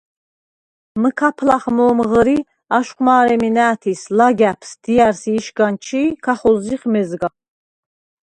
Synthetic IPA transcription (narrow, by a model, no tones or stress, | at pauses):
məkʰapʰlaχmɔːmʁəɾi | aʃqʼmaːɾɛminæːt̪ʰislaɡæpʰsd̪̥iaɾsiːʃɡant͡ʃʰiːkʰaχɔziχmɛzɡa